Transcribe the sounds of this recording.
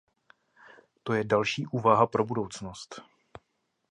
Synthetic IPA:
t̪o̞jɛdalʃiːʔuːvaɦapɾo̞budo̞wt͡sno̞st̪

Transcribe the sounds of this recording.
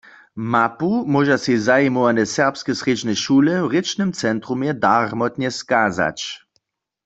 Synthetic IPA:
mapumɔʒasizajimɔwanɛsɛʁpskɛsʁed͡ʒnɛʃuːlɛwʁɪt͡ʃnɨmt͡sɛnt̪ʁumjɛdaʁmɔt̪ɲɛskaːza̰t͡ʃ

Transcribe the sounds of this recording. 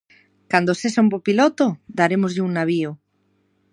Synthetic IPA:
kand̪osesompopilɔt̪od̪aɾemozʎɪuŋnaβ̞io

